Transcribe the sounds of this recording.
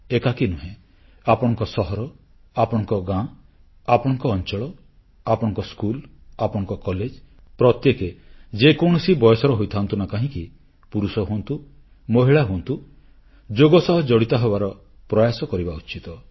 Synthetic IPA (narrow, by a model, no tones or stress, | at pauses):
ekakinuɦẽ | apɔɽ̃ɔŋkɔsɔɦɔɾɔ | apɔɽ̃ɔ̃ŋkɔɡã | apɔɽ̃ɔŋkɔːnt͡ʃɔɭɔ | apɔɽ̃ɔŋkɔskulapɔɽ̃ɔŋkɔkɔled͡ʒ | pɾɔt̪jeked͡ʒekɔɳ̃ɔsibɔjɔsɔɾɔɦojt̪ʰant̪unakaɦĩki | puɾusɔɦuɔnt̪u | mɔɦiɭaɦuɔnt̪u | d͡ʒoɡɔsɔɦɔd͡ʒɔɽit̪aɦebaɾɔ | pɾɔjasɔkɔɾibaut͡ʃit̪ɔ